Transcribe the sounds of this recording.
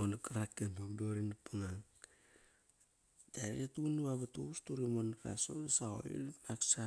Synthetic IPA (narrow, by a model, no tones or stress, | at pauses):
onakaɾakːenomdoɾinapaŋaŋ | daɾetunuβaβatuustuɾimonɾa̰sodasao̰ḭpaksa